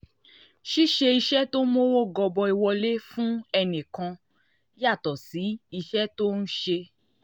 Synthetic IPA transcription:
ʃi˦ʃe˧i˧ʃɛ˦to˦mo˦wo˦ɡɔ˧bɔ˧i˧wɔ˧le˦fũ˦ɛ˧nĩ˨kã˧ | ja˦˨tɔ˨si˨˦i˧ʃɛ˦to˦n̩˦ʃe˧

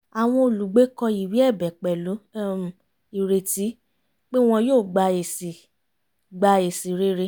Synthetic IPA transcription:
a˨w̃ɔ̃˧o˨lu˨ɡ͡be˨˦kɔ˧i˨wi˨˦ɛ˦˨bɛ˨k͡pɛ˨lu˨˦˨ | i˨ɾe˨ti˨˦ | k͡pe˦w̃ɔ̃˧joː˦˨ɡ͡ba˧e˨si˨ | ɡ͡ba˧e˨si˨ɾe˦ɾe˧˦

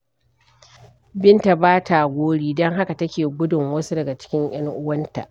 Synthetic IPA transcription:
bɪ˦nta˨baː˦ta˨ɡʷoː˦ɽiː˦dɔ˦ŋɦa˦ka˨tɐ˦kʲeː˨ɡʷʊ˦dʊ˨ŋwɐ˦su˦dɐ˨ɡa˨t͡ʃɪ̥˦kʲɪ˦ŋj̰ɐ˦ŋʔʊ˦wɐ˦nta̰˨ʔ

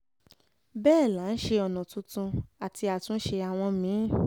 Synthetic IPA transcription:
bɛː˦˨la˨˦n̩˦ʃe˧ɔ˨nɔ̃˨tũ˧˦tũ˧a˨ti˧a˨tũ˧˦ʃe˧a˨w̃ɔ̃˧mĩ˨˦

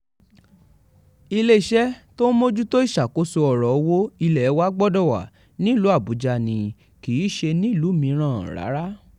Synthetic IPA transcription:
i˧le˦i˦˨ʃɛ˦tõ˦mo˦d͡ʒu˦to˦i˦˨ʃa˨ko˨˦so˧ɔ˨ɾɔ˨˧˦wo˦i˧lɛ˨˦wa˦ɡ͡bɔ˦dɔ˦˨wa̰˨ | nĩ˦˨lu˨˦a˦˨bu˨˦d͡ʒa˧nĩ˨ | ki˨˦ʃe˧nĩ˦˨lu˨˦mĩ˧˦ɾ̃ã˦˨ɾa̰˨˦ɾa˦

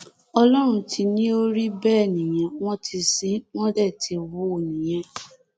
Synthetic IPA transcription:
ɔ˧lɔ˦ɾ̃ũ˧tʰi˧nĩ˦o˦ɾi˦bɛː˦˨nĩ˨j̃ã˨w̃ɔ̃˦ti˧si˨˦w̃ɔ̃˦dɛ˦˨ti˧wu˦˨nĩ˨j̃ɛ̃˦

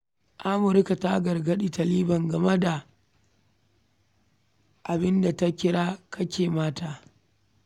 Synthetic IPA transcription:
ʔa˦mʊ˨ɾɪ˦ka˨ta˦ɡɐ˨rɡɐ˦ɗi˦tɐ˨liː˦bɐ˨ŋɡɐ˨mɐ˦da˨ | ʔa˨bɪ˦nda˨ta˦kʲɪ˦ɽaː˦kʰɐ˦kʲeː˨maː˦taː˦˨

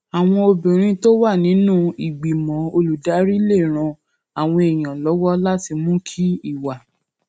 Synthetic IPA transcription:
a˨w̃ɔ̃˧o˧bĩ˨ɾ̃ĩ˦to˦wa˦˨nĩ˨˦nũ˦i˨ɡ͡bi˨mɔ̃˨˦o˧lu˨da˨˦ɾi˦le˦˨ɾ̃ã˧ | a˨w̃ɔ̃˧e˨j̃ã˨lɔ˨˦wɔ˦la˦ti˧mũ˦kʰi˦i˦˨wa˨

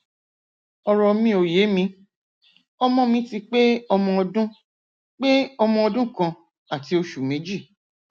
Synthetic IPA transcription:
ɔ˧ɾɔ˧mĩ˧o˨je˨˦mĩ˧ | ɔ˧mɔ̃˦mĩ˧˦ti˧k͡pe˦ɔ˧mɔ̃˧ɔ˧dũ˦ | k͡pe˦ɔ˧mɔ̃˧ɔ˧dũ˦kã˧ | a˨ti˧o˧ʃu˨mẽ˨˦d͡ʒi˦˨

